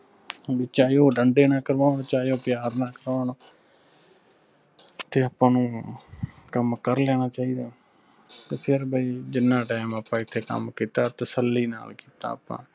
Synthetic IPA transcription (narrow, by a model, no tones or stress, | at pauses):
bɪːt͡ʃaːjoːɖəɳɖeːnãːkəɾʋaːnot͡ʃaːjoːpjaːɾnaːkəɾʋaːnoː | t̪eːəpãːnũː | kəmkəɾleːnaːt͡ʃaːiːd̪aː | t̪eːpʰɪɾbʱaiːd͡ʒɪnːãːʈaːmapːãːɪt̪ʰːeːkə̰mkiːt̪aːt̪əsəlːiːna̰ːlkiːt̪a̰ːpã̰ː